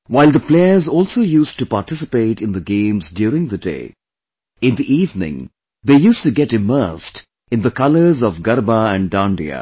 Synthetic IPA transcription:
waɪlˠd̪əpleɪəzɔːlsoːjusʈupaɾʈɪsɪpeɪʈɨ̃nd̪əɡẽɪ̃mzdjuɾɪ̃ŋd̪ədḛɪ | ɪ̃nd̪iʔiːvnɪ̰̃ŋ | ðeːjuːstuɡɛɾɨmɜ˞st | ɨ̃nðəkʌlə˞zɔvɡʌɾbaæ̃ɳdãnɖḭə̰

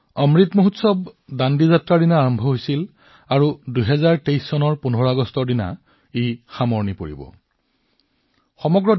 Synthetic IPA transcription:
ɔmɹitmoɦutsɔbdandizatɹadinaːɹɔmbʱɔɦojsil | aɹudujɦɛzaɹtejsːɔnɔɹpunɔɹaɡɔstɔɹdina̰ | ejxamɔɹnipoɹḭbɔ̰ | xɔmɔɡɹɔ

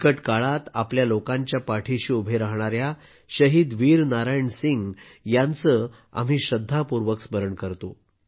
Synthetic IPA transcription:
kəʈkaɭat̪apljalokãɲt͡ɕjapaʈʰiɕiːubʱeɾaɦɳ̃aɾja | ɕəɦiːd̪ʋiːɾnaɾajəɳsiŋɡ | jant͡sə | a̰m̤iːɕəd̪ʱːapuɾʋəksbəɾəɳkəɾt̪o

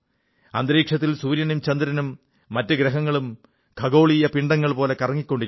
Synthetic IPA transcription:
ɐnd̪ɐɾiːkʂɐt̪ːilsuːɾjɐnumt͡ɕɐnd̪ɾɐnumː | ɐtːɨɡɾɐɦɐŋːɐɭum | kʰɐɡo̞ːɭijɐpiɳɖɐŋːɐɭpo̞ːle̞kɐrɐŋːikʲːo̞ɳɖiɾ

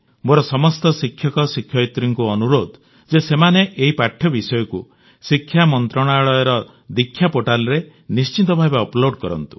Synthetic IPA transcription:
moɾɔsɔmɔst̪ɔsikʰjɔkɔsikʰːjɔit̪ɾiŋkuɔnuɾod̪ʱ | d͡ʒesemaneʔeɦipaʈʰjɔbisɔjɔku | sikʰːjamɔnt̪ɾɔɽ̃aɭɔjɔɾɔ | d̪ikʰːjapoʈalɔɾe | nist͡ʃit̪ɔbʱabeɔploɖkɔɾɔ̰nt̪u̥

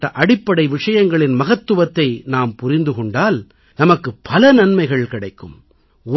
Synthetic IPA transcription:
ɐʔɐɽɪpːɐɽɐɪʋɪʂɐjɐŋɡɐɭɪnmɐɣɐt̪ːɯʋɐt̪ːɐɪnaːmpʊɾɪnd̪ɯkɔɳɖaːl | nɐmɐkːɯpːɐlɐnɐnmɐɪɣɐɭkɪɽɐɪkːɯ̰m

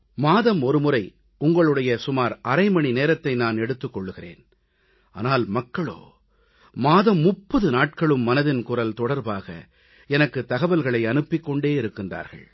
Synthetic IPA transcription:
maːðɐmɔɾɯmʊrɐɪ | ʊŋɡɐɭɯɽɐjɐsʊmaːɾɐɾɐɪmɐɳineːɾɐt̪ːɐɪnaːnɛɽɯt̪ːɯkːɔɭːɯɣɪrḛːn | a̰ːnaːlmɐkːɐɭo̰ː | maːðɐmːʊpːɐðɯnaːʈ̚kɐɭɯmːɐnɐðɪnkʊrɐlt̪ɔɽɐɾbaːɣɐ̰ | ɛnɐkːɯt̪ːɐɣɐbɐlɣɐɭɐɪɐnɯpːɪkːɔɳɖeːɪɾɯkːɪndra̰ːɾɣɐ̰ɭ

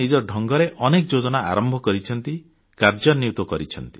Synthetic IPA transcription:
id͡ʒɔɾɖʱɔŋɡɔɾeʔɔnekd͡ʒod͡ʒɔnaa̰ɾɔmbʱɔkɔɾit͡ʃʰɔnt̪i | kaɾd͡ʒɔniut̪wɔkɔɾit͡ʃʰɔnt̪i̥

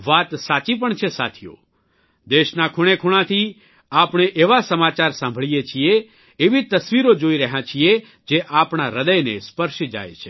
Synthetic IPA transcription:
ʋat̪sat͡ʃip̬əɳt͡ʃʰesa̰t̪ʰijo̰ | d̪eʃnakʰuɽ̃ekʰuɽ̃ãt̪ʰi | apɳ̃eʔeʋasəmat͡ʃaɾsãmbʱəɭijet͡ʃʰieː | ʋit̪əsʋiɾod͡ʒoiɾəɦãt͡ʃʰie | d͡ʒeʔapɳaɾəd̪əjnespəɾʃid͡ʒa̰jt͡ʃʰe̥

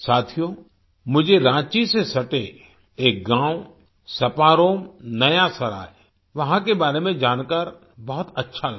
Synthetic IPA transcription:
saːt̪ʰijo | mʊd͡ʒʱeɾãːt͡ʃisesɐʈe | eːk̚ɡãːu | sɐpaːɾoːmnɐjasɐɾa̰ːe | ʋɐɦãkebaːɾemẽd͡ʒaːnkəɾ | bɐɦʊt̪ɐtːʃʰal

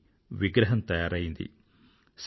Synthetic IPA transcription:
ʋiɡɾɐɦɐmt̪ɐjaːɾɐjund̪ḭ | s

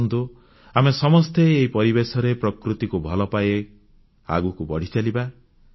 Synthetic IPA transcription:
nd̪u | amesɔmɔst̪eːɦipɔɾibesɔɾepɾɔkɾut̪ikubʱɔlɔpaje | a̰ɡukubɔɽ̤it͡ʃaliba

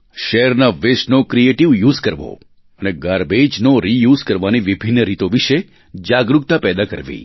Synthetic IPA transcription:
ʃɛɾnaʋeʃnokɾieʈiʋjuzkəɾʋo̰ | əneɡaɾbed͡ʒnoɾijuzkəɾʋaniʋibʱinːəɾit̪oʋiʃe | d͡ʒaɡɾuk̚t̪apɛd̪akə̰ɾʋḭ

